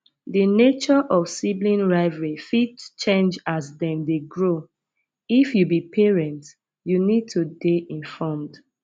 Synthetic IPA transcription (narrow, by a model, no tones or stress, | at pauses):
dinet͡ʃɔʔɔfsiblĩnɹaɪvɹifidt͡ʃẽnd͡ʒasdɛ̃mdeɡɹo | ifjubipʰeɹɛ̃nt | junid̚tʰudeʔĩnfɔmd̥